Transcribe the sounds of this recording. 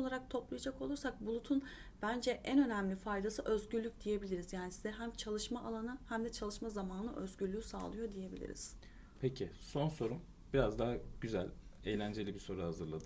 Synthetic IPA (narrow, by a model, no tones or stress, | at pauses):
olˠaɾak̚t̪ʰo̞plˠajad͡ʒako̞lˠuɾsak̚bulˠut̪ʰun | b̥ænd͡ʒɛʔænø̞næmlʲifajd̪asɯʔø̞zɟyɾlʲːycʲd̪ije̞bilʲiɾizjaːnisizɛɦæmt͡ʃʰalˠɯʃmaʔalˠanɯhæmd̪ɛt͡ʃʰalˠɯʃmazamaːnɯ̰ʔøzɟylʲyːysa̰ːlˠɯjo̞d̪ije̞bḭlʲḭɾḭz̥ | pʰecʰiso̞nso̞ɾum | biɾazd̪aɦaɟ̥yzæ̰lʲejlʲænd͡ʒe̞lʲibiso̞ɾuhazɯɾlˠad̪ɯ